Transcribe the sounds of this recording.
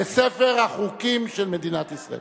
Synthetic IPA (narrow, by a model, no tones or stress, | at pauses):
esefeʁhaχukimʃelme̞d̪inat̪isʁa̰ḛ